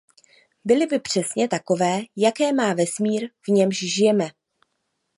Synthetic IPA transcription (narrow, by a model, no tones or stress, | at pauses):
bɪlɪbɪpr̝̥ɛsɲɛt̪ako̞vɛːjakɛːmaːvɛsmiːɾvɲɛmʃʒɪjɛmɛ